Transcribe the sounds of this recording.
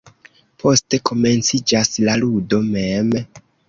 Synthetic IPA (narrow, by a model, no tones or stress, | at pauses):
pʰo̞ste̞ko̞me̞nt͡sid͡ʒaslaludo̞mem